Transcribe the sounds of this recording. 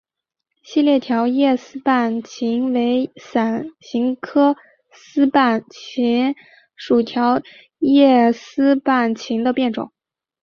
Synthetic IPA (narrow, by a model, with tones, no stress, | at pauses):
ɕi˥˧ljɛ˥˩t̪ʰjɑ˧˥ʊjɛ˥˩sɹ̩˥pa˥˩nt͡ɕʰi˧˥ŋwe˧˥ɪsa˨˩nɕi˧˥ŋkʰɤ˥ | sɹ̩˥pa˥˩nt͡ɕʰi˧˥n | ʂu˨˩t̪ʰjɑ˧˥ʊ | jɛ˥˩sɹ̩˥pa˥˩nt͡ɕʰi˧˥ŋd̪ə˧pjɛ˥˩nʈ͡ʂʊ̰˨˩˦ŋ